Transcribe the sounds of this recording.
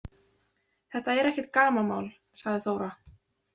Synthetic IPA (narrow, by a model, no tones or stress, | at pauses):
θɛht̪aɛɾɛhcɛt̪̚kaːmama̰ːwl | saɣðɪθoːwɾa